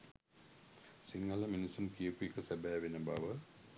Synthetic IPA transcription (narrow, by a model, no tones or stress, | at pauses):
siŋɡələminisumkijəkuekəsæbæːʋenəba̰ʋə